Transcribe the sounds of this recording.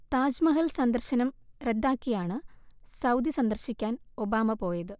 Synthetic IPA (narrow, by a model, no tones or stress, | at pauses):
t̪aːd͡ʑmɐɦɐlsɐnd̪ɐrɕɐnɐmred̪ːaːkːijaːɳɨsɐwd̪isɐnd̪ɐrɕikʲːaːno̞baːmɐpo̞ːjɐðɨ